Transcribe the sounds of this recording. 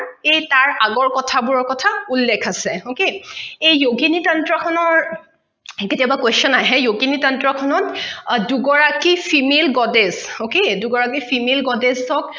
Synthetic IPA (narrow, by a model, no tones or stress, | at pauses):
ejtaɹaɡɔɹkɔtʰabuɹɔɹkɔtʰaulːekʰasɛokeejjoɡinitɔntɹɔkʰɔnɔɹ | ketiɔbakwesɔnajɦɛjoɡinitɔntɹɔkʰɔnɔtduɡɔɹakipʰimelɡɔdezokeduɡɔɹakipʰimelɡɔdezɔk̚